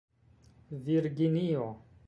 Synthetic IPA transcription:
viɾɡinio

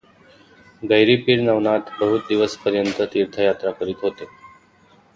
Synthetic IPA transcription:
ɡəjɾiːpiːɾnaʋɳat̪bəɦut̪̚d̪iʋəspəɾjənt̪ət̪iːɾt̪ʰəjat̪ɾakəɾiːt̪ɦot̪e

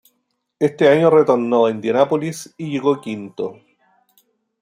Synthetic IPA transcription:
est̪eaɲoret̪oɾnoend̪janapolisiʝe̞ɣokint̪o̰

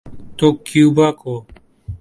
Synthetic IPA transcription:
t̪oːkjuːbaːkoː

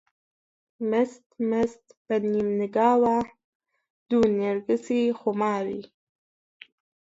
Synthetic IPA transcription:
mɛst̪mɛst̪b̥ɐnimnɨɡaːwa | d̪̥uːneɾɡɨsixumaːwḭː

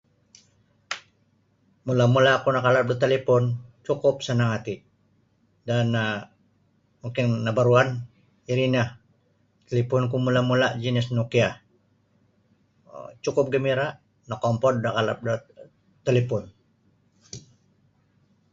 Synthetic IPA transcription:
mulamulakunakalap̚dat̪alipɔnt͡ʃukʊp̚sanaŋat̪i | danːa | muŋkɪnːabaɾuan | iɾinah | t̪elipunkumulamulaʔd͡ʒinisnukia | t͡ʃukʊp̚ɡəmiɾaʔ | nakɔmpɔnːakalap̚da | t̪elipɔn

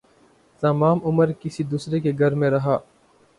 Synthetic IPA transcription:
t̪ɐmaːmʊməɾkɪsid̪uːsɾekeɡʱɐɾmẽɾɐɦaː

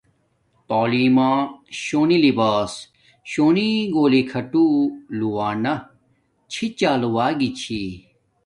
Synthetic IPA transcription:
t̪oːliːmaːɕoːnilibaːs | ɕoːniɡoːlikʰɐʈuluwaːnɐ | t͡ɕʰit͡ɕaːluwaːɡit͡ɕʰi

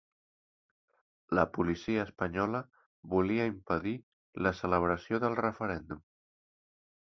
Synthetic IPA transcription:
ləpulisiəːspəɲɔlə | βuliəimpəði | ləsələβ̞ɾəsjoðəlˠrəfəɾɛnd̪um

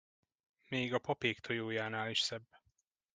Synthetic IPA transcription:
meːɡɒpɒpeːkt̪ʰojoːjaːnaːliʃsɛbː

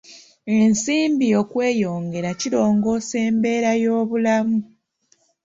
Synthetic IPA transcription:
e̞nsiːmbijo̞kwe̞ːjo̞ːŋɡe̞ɾaciɾo̞ːŋɡo̞se̞ːmbe̞ːɾajo̞ːβulamu

